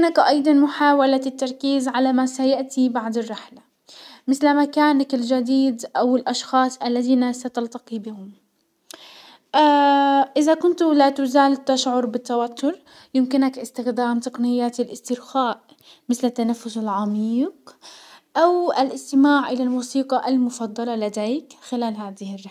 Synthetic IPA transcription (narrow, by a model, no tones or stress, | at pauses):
mɪnakʔɑjd̪ˤɑnmʊħaːwalat̪ːɑɾˤkiːzʕalamasajaʔt̪ibaʕd̪ɪrˤːɪħla | mɪθlmakaːnakɪld͡ʒad̪iːd̪ʔawɪlʔɑʃxɑːsˤʔalːaðiːnasat̪ɑlt̪ɑqibɪhʊm | ʔaʔɪðakʊnt̪lat̪ʊzaːlt̪ːaʃʕʊɾbɪt̪ːawat̪ːʊɾ | jɪmkɪnakʔɪst̪ɪxd̪aːmt̪ɑqnɪjːat̪alʔɪst̪ɪɾxaːʔ | mɪθlɪt̪ːanafːʊsalʕɑmiːq | ʔawalʔɪst̪ɪmaːʕʔɪlalmuːsiːqɑʔalmʊfɑd̪ˤːɑlɑlad̪eːkxɪlaːlɦaːðɪhɪrˤːɪ